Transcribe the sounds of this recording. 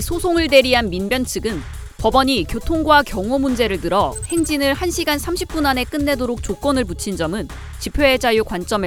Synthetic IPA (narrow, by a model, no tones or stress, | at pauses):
sʰosʰoŋɯɭde̞ɾiɦanminbjʌnt͡ɕʰɯɡɯn | pʌbʌɲikjotʰoŋɡwakjʌŋomund͡ʑe̞ɾɯɭtɯɾʌhe̞ŋd͡ʑinɯɭhanɕʰiɡansʰamɕʰip̚p͈unane̞k͈ɯnːe̞doɾok̚t͡ɕok͈ʌnɯɭput͡ɕʰind͡ʑʌmɯn | t͡ɕipʰjeed͡ʑajokwant͡ɕ͈ʌme